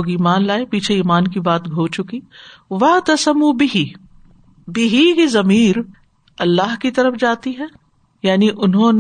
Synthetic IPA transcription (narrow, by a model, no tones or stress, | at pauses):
ɡiːmaːnlaːepiːt͡ʃʰeiːmaːnkibaːt̪ɡʱoːt͡ʃʊkiʋɐt̪ɐsɐmubɪɦi | bɪɦikizɐmiːɾ | ɐlːaːɦkit̪ɐɾəfd͡ʒaːt̪iɦɛː | jaːniʔʊnɦõn